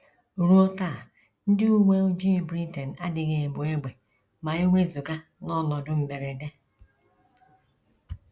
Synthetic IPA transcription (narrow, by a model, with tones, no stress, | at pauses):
ɾu˦ɔ˦ta˦˨ | n̩˦dɪ˦u˦ɡ͡bʷe˦u˦d͡ʒi˦˨bɾi˦te˨n̩˨a˦dɪ˨ɣe˨bʊ˨e˦ɡ͡be˨ | ma˨e˦ŋʷe˦zu˨ɡa˦nɔ˦˨nɔ˨dʊ˦m̩˨be˨ɾe˨de˦